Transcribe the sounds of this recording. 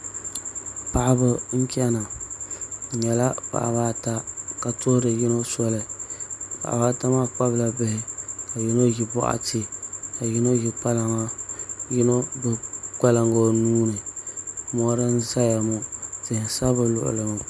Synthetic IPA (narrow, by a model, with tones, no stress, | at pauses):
pa˨ʔa˦bɨ˦ŋ̩˦kɛ˦na˨ | ɲɛ˨la˦pa̰˨ʔba˦ta˦ka˨tʊ˦hʊ˦dɨ˨jɪ˦no˦sɔ˦lɨ˦˨pa̰˨ʔa̰˨ba˦ta˦ma˦k͡pa˦bla˨bɨ˦hɪ˨ka˨jɪ˦no˦ji˨bɔ̰˦ʔa̰˨te˦ka˨jɪ˦no˦ji˨k͡pa˦la˨ŋa˦jɪ˦no˦bɨ˨k͡pa˦la˨ŋɡo˦nuː˦nɨ˨ | mɔ˦ɾɨ˦n̩˦za˦ja˨mo˦tɪ˨hɪ˨sa˦bɨ˨lʊ̰˦ʔʊ̰˨lɨ˨mʊ˨